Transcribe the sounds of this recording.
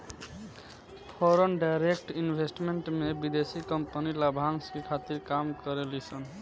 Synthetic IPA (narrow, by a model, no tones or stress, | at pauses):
pʰɔɾɔnɖajɾekʈinbʱesʈmeɳʈmebid̪esikɔmpanilabʱaŋskikʰat̪iɾkamkɔɾelisʰɔn